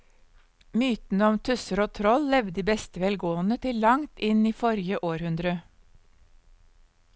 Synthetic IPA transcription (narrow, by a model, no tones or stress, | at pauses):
myːt̪n̩əɔmt̪ʰʉsəɾoːt̪ʰɾɔllɛʋd̪iːbɛst̪əʋɛlɡoːənət̪ʰɪllɑŋt̪ɪniːfɔɾjəʔoːɾhʉnd̪ɾə